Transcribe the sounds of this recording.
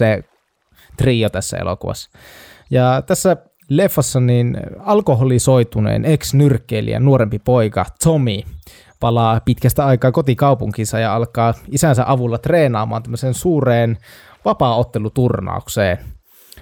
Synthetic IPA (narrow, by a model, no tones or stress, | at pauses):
se | t̪riːot̪æsːæ̰ḛlʔo̰kuʋɑ̰sːɑ̥ | jɑt̪æsːæ | lefːɑsːɑninɑlkoɦolisoit̪unḛːneksnyrkˑːeːlḭæ̰nuoɾempipoikɑ̰t̪somi | pɑlɑːpit̪kæst̪æɑikɑːkot̪ikɑupuŋkisɑjɑɑlkɑːisænsæʔɑʋulːɑt̪reːnɑːmɑ̰ːnt̪æmːøseːnsuːreːn | ʋɑpɑːot̪ːelut̪urnɑ̰ˑukseːn